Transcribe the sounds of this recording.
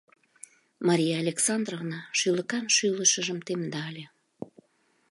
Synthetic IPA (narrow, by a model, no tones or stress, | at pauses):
mɑɾʲijaːlʲeksɑnd̪rovnɑʃyləkɑnʃyləʃəʒəmt̪emd̪ɑlʲe